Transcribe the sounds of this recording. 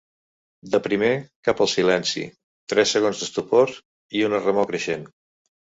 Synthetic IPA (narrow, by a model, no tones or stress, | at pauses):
d̪əpɾimekapəlˠsilɛnsḭ | t̪ɾɛsːəɣonzðəst̪upoɾ | iunərəmokɾəʃen